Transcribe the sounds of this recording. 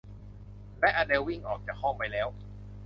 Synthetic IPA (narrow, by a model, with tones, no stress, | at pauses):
lɛ˦˥ʔaː˧de˧wːi˥˩ŋʔɔː˨˩k̚t͡ɕaː˨˩k̚hɔ˥˩ŋpa˧jlɛː˦˥w